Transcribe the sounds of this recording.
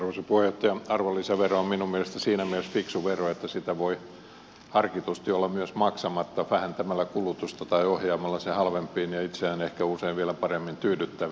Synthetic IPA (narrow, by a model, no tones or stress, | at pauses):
ɑrʋosepuhejoht̪ːɑjɑɑrʋolːiseɑʋeroomminummielest̪æsiːnæmiælesfiksuʋeroet̪ːæsit̪æʋoi | hɑrkit̪ust̪iolːɑmyøsmɑksɑmɑt̪ːɑʋæhænt̪æmælːækulut̪ust̪ɑt̪ɑiohjɑːmɑlːɑsehɑlʋempˑiːnjɑit̪seæːnehkæuseiʋʋieælæpɑremːint̪yːdyt̪ːæʋ